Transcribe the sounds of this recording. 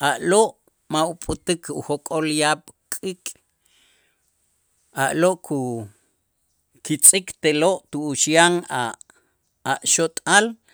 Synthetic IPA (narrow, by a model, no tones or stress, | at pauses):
ʔaʔloʔ | maupʼut̪ikʰuxokʼoljaɓ̥kʼikʼ | aʔloʔkʰu | kit͡sʼikt̪eloʔt̪uːʃjaŋa | aʔʃot̪ʼal